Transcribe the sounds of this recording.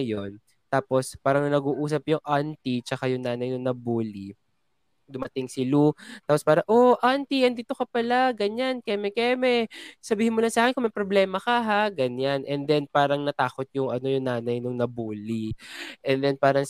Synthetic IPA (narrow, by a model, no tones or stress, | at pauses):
jon | t̪aːpo̞spaːɾɐŋnɐnɐɡuːʔuːs̬ɐp̚jʊŋʔant̪it͡ʃɐkajʊŋnaːnɐjnʊŋnɐbuːli | d̪ʊmɐt̪ɪŋsɪlut̪aːpospaːɾɐŋʔoʔant̪iʔɐnd̪iːt̪okɐpɐlaɡɐɲankɛmɛkɛmɛsɐbiːhɪnmolɐŋsaːkɛnkʊŋmɐjpɾoblɛːmɐkɐɦaɡɐɲanʔɛnd̪ɛnpaːɾɐŋnɐt̪aːkot̪̚jʊŋɐno̞jʊŋnaːnɐjnʊŋnɐbuːliʔɛnd̪ɛnpaːɾɐŋ